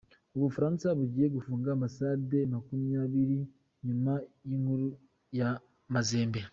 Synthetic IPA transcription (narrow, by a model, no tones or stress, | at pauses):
oβufaɾaːnsaβuɟije̞ɡufuːŋɡaːmasaːde̞makumijaβiɾi | ɲimaiŋhuɾu | ja | mazeːmbe